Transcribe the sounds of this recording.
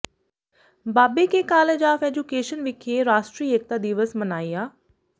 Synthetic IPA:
baːbekeːkaːleːd͡ʒaːfɛːd͡ʒukeːʃənʋɪkʰeːɾaːʃʈɾiːek̚t̪aːd̪iʋəsmənaːiːaː

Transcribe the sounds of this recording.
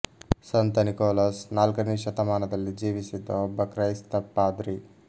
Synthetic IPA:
sɐnt̪ɐnikoːlɐsnaːlkɐniːʃɐt̪ɐmaːnɐd̪ɐlːid͡ʒiːʋisid̪ːɐɔbːɐkɾɐjst̪ɐpːaːd̪ɾi

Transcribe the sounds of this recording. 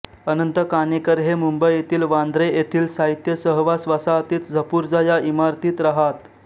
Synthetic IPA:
ənənt̪əkanekəɾɦemumbəjet̪iːlʋand̪ɾejet̪ʰiːlsaɦit̪jəsəɦʋasʋasaət̪iːt̪d͡zʱəpuːɾd͡zajaimaɾt̪iːt̪ɾəɦat̪

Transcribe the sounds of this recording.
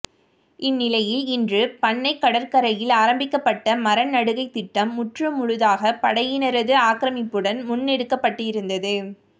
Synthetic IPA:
ʔɪnːɪlɐjɪlɪndrɯpɐɳːɐɪkːɐɽɐɾkɐɾɐjɪlaːɾɐmbɪkːɐpːɐʈːɐmɐɾɐnnɐɽɯɣɐɪt̪ːɪʈːɐmːʊʈrɯmːʊɻʊðaːɣɐpɐɽɐjɪnɐɾɐðɯaːkɪɾɐmɪpːɯɽɐnmʊnːɛɽɯkːɐpːɐʈːɯɪɾɯnd̪ɐðɯ

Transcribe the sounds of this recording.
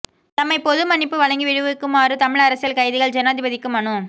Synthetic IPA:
t̪ɐmːɐɪpɔðɯmɐnɪpːɯʋɐɭɐŋɡiʋɪɻɯʋɯkːɯmaːɾɯt̪ɐmɪɭɐɾɐsɪjɐlkɐɪðɪɣɐɭd͡ʒɐnaːðɪbɐðɪkːɯmɐnɯ

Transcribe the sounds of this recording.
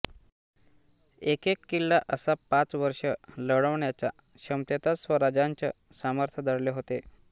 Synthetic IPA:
ekekːilːaʔəsapat͡sʋəɾʂələɽəʋɳjat͡ɕja̰ | ɕəmt̪jət̪asʋəɾad͡ʑaɲt͡ɕə | saməɾt̪ʰjəd̪əɽleɦot̪e

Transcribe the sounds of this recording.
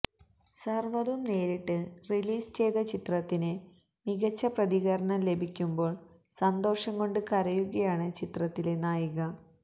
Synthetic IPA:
sɐrʋɐðumne̞ːɾiʈːɨriliːst͡ɕe̞jt̪ɐt͡ɕit̪rɐt̪ːine | miɣɐt͡ɕːɐprɐðiɣɐɾɐɳɐmle̞bʱikʲːumbo̞ːɭ | sɐnd̪o̞ːʂɐŋko̞ɳɖɨkɐɾɐjuɣɐjaːɳɨt͡ɕit̪rɐt̪ːile̞naːjuɣɐ

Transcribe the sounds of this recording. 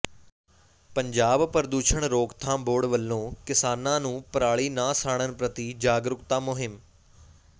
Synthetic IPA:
pəɲd͡ʒaːbpəɾd̪uːʃəɳɾoːkt̪ʰãːboːɖʋəlːõːkɪsaːnãːnũːpɾaːɭiːnãːsaːɳ̃ənpɾət̪iːd͡ʒaːɡɾʊkt̪ãːmʊɦɪm

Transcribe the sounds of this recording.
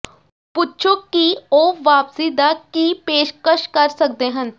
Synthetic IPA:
pʊtːʃʰõkioːʋaːpsid̪akipeːʃkəʃkɐɾsɐk̚d̪eɦə̃n

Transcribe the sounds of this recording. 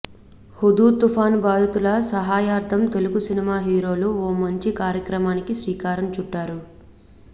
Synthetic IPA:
hud̪uːt̪ufaːnbaːd̪ut̪ulɐsɐɦaːjaːɾt̪ʰɐmt̪e̞luɡusinimaːɦiːɾo̞ːluoːmɐɲt͡ʃikaːɾjɐkɾɐmaːnikisʋiːkaːɾɐnt͡ʃuɖːaːɾu

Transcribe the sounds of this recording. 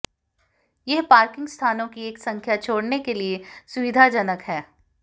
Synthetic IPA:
jɛɦpaːɾkɪ̃ŋɡst̪ʰaːnõkieːksɐ̃ŋkʰjat͡ʃʰoːɽnekeliesʊʋɪd̪ʱad͡ʒɐnəkɦɛː

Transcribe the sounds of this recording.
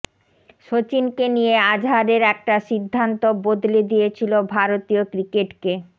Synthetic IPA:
ʃot͡ɕinkenijead͡ʑʱɦaɾeɾɛk̚ʈaʃid̪ʱːant̪obod̪led̪ijet͡ɕʰilobʱaɾot̪iokɾikeʈke

